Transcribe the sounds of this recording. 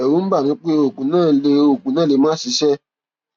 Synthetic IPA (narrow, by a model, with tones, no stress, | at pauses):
ɛ˨wu˨˦n̩˦ba˦˨nĩ˨˦k͡pe˦o˨kũ˨nãː˦˨le˧o˨kũ˨nãː˦˨le˨˦mãː˦si˨˧˦ʃɛ˦